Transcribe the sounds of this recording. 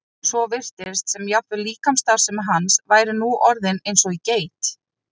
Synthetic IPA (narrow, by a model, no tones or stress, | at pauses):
svɔvɪr̥t̪ɪɾst̪sɛmjap̪vʏliːkamst̪aɾ̥sɛmɦansvaːjɾɪnuʔɔɾðɪnejnsɔɣiceːjt̪